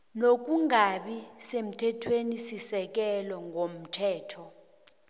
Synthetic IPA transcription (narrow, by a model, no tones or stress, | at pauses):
nok̬uŋaɓisem̩tʰɛtʰwenisisɛk̬ɛlɔŋɡʱom̩tʰɛːtʰɔ